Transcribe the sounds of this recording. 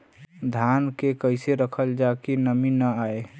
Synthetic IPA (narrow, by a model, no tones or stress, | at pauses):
d̪ʱankekəɪseɾəkʰəld͡ʒakenəminəae